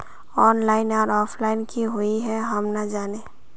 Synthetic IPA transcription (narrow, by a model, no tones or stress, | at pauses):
ɔːnlaːɪnɔːɾɔːpʰlaːɪnkiɦoiɦɛɦɐmnad͡ʒaːne